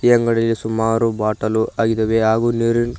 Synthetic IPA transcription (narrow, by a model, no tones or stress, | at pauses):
ijɐŋɡɐɽɐlːisumaːɾubaːʈɐluʔaːɡid̪ɐʋeɦaːɡuniɾin